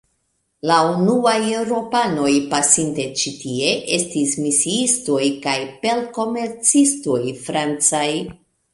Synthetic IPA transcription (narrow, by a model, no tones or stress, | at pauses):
launuaje̞wɾo̞pano̞jpasinte̞t͡ʃitie̞ʔe̞stismisiisto̞jkajpe̞lko̞me̞ɾt͡sisto̞jfɾant͡saj